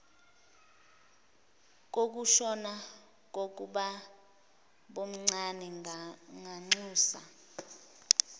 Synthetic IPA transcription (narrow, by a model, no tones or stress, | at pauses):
k̬ʼok̬uʃɔna | k̬ok̬ʼuɓa | ɓom̩ŋ͡ǀanɛŋaŋ͡ǀuːsa̰